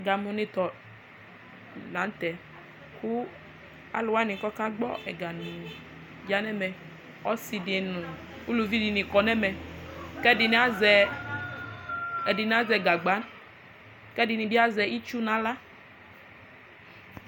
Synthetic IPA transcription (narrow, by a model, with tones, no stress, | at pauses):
ɛ˨ɡa˨mũ˨nĩ˨t̪ɔ˨ | nã˨˦n̩˦t̪ɛ˨ | ku˦ | a̰˦lʊ˨wa˦nĩ˨kɔ˦ka˦ɡ͡bɔ̰˦ʔɛ˨ɡa˨nũ˨ | d͡ʒa˦nɛ˦mɛ˨ | ɔ˦si˨di˨nũ˨ | u˦lu˨vi˦di˨nĩ˨kɔ˨nɛ˦mɛ˨kɛ˦di˨n˦zɛ˨ | ɛ˨di˨n˨˦a˦zɛ˨ɡa˨ɡ͡ba˨˦n | kɛ˦di˨nĩ˨bi˦a˦zɛ˨i˦t͡ʃu˦nã˨˦la˦